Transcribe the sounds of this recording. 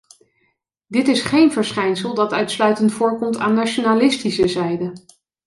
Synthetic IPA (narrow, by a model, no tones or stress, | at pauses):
dɪtɪsχejnvəɹsχɛjnsəlˠdɑtœɥtslœɥtəntfʊːɹkɔmtaːnːat͡ʃonalɪstisəzɛjdə